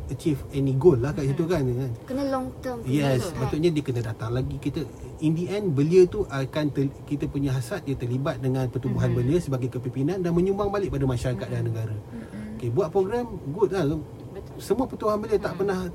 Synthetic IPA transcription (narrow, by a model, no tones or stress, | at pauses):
ət͡ʃifɛniɡolːahkasit̪ukanankənəlɔŋt̪əjɛsbasuʔɲadiəkənədat̪aŋlaɡikit̪əindiʔɛnbəliət̪uʔakant̪əkit̪apuɲaɦasat̪̚jat̪ərlibat̪̚dəŋãnpərt̪ubuɦanbəliəsəbaɡajkəpimpinãndanmə̃ɲumbaŋbalɪʔ̚padamaʃaɾakat̪̚danəɡaɾaokebuat̪̚pɾoɡɾamɡut̪̚a | səmuapərt̪ubuɦanbəliət̪aʔpərnah